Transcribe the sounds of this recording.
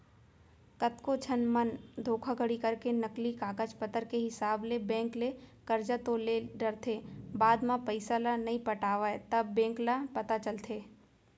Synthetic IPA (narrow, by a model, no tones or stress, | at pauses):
kɐt̪kot͡ʃʰənmənd̪ʱoːkʰaɡəɽikɐɾkenɐklikaːkəd͡ʒpət̪əɾkeɦɪsaːblebɛ̃ːŋklekɐɾd͡ʒat̪oleɖɐɾt̪ʰeːbaːd̪mãpɐɪsalanɐɦĩpɐʈaːʋaet̪ɐbːɛ̃ːŋklapɐt̪at͡ʃɐlt̪ʰeː